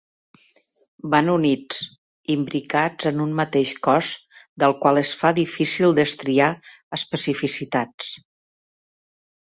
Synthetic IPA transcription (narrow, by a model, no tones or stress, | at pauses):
banunid͡z | imbɾikad͡zənunmət̪eʃkɔzd̪əlˠkwalˠəsfaðifisilˠd̪əst̪ɾiaəspəsifisit̪at͡s